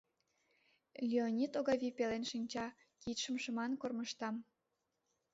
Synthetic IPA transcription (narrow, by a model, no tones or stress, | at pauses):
lʲionʲit̪oɣɑβʲipelenʃinʲt͡ɕɑ | kit̪ʃəmʃə̆mɑnkorməʃt̪ɑm